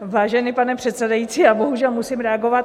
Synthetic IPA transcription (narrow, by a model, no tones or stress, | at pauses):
vaːʒɛnipanɛpr̥ɛt̪sɛdajit͡siːaboɦuʒɛlmusimɾɛaɡovat̪